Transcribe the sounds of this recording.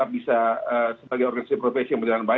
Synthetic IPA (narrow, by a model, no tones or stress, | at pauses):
ap̚bisaəsəbaɡajɔrɡanisasipɾofesijaŋmprd͡ʒalanba